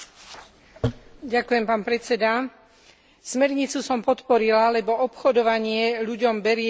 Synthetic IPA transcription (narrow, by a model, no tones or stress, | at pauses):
ɟakujɛmpaːnpɾɛt͡sɛd̪a | smɛɾɲit͡susɔmpɔt̪pɔɾilalɛbɔɔpxɔd̪ɔʋaɲɪɛʎuɟɔmbɛɾɪɛ